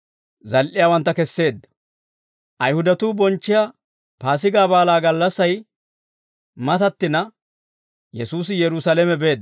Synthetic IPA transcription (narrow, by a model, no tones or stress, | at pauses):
zɐlʔɪjaːwɐnt̪ːɐkɛsːe̞ːd̪ːɐ̥ | ʔɐjhʊd̪ɐt̪uːbɔnt͡ʃːɪja | paːs̬ɪɡaːbaːlaːɡɐlːɐsːɐj | mɐt̪ɐt̪ːɪnɐ | jɛsuːs̬ɪjɛɾʊsalɛmɛbe̞ːd̪